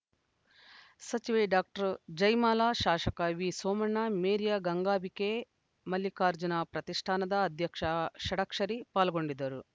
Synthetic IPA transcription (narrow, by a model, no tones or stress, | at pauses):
sɐt͡ʃiʋɐjɖaːk̚ʈɐɾd͡ʒɐjmaːlaːʃaːʂɐkɐʋisoːmɐɳːameːɾijaːɡɐŋɡaːbikeː | mɐlːikaːɾd͡ʒunaːpɾɐt̪iʂʈʰaːnɐd̪ɐːd̪ʱjɐkʂɐʃɐɽɐkʂɐɾipaːlɐɡo̞ɳɖid̪ɐɾu